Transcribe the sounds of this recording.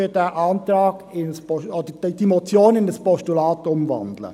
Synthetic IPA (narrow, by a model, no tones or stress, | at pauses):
ød̥ɛːʔɑːnt̪ɾɑ̥ːɪnspɔɔd̥ədd̥imɔt͡sjoːnɪnəspɔʃtulɑːtʊmvɑ̰ndlə̰